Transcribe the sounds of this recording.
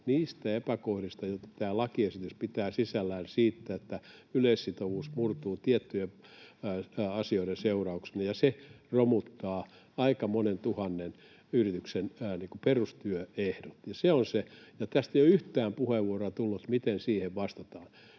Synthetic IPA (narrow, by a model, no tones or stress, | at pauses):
niːst̪æepækohrist̪ɑjot̪ːɑ̥t̪æːlɑkiesit̪yspit̪æːsisælːæːnsiːt̪ːæet̪ːæyleissit̪oʋuːsmurt̪uːt̪iet̪ːye | ɑsioiɾenseurɑuksenejɑseromut̪ːɑː | ɑikɑmonent̪uhɑnːen | yrit̪yksenniːŋkuperust̪yøehdot̪jɑseonsejɑt̪æst̪eijoyht̪æːmpuheʋʋuoroɑt̪ulːut̪mit̪ensiːheʋʋɑst̪ɑt̪ɑːn